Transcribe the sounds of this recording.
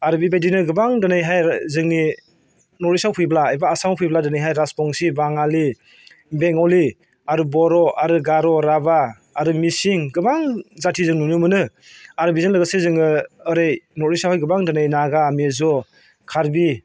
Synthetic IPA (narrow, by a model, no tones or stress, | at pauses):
aɾɯbibajdinɯɡɯbaŋdɯnajɦajzɯŋni | nɔɾisawpʰɯjblaejbaːsampʰɯjbladɯnajɦajɾaspɔŋsibaŋali | beŋɔli | aɾubɔɾɔʔaɾɯɡaɾɔɾabaː | ɾɯmisiŋɡɯbaŋzatʰizɯŋnunɯmɯnɯ | aɾbizɔnlɯɡɯsezɯŋɯɯɾejnɔɾisawhajɡɯbaŋdɯnajnaɡamezɔ | kʰaɾbi